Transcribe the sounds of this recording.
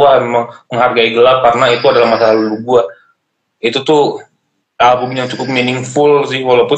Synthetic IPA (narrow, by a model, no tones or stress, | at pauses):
amemaŋəŋɦarɡaiɡəlap̚karnait̪uadalahmasaɦaluluɡua | it̪ut̪ʊ | abumjaŋt͡ʃukʊp̚minɪŋfʊlsɪhwalawpʊ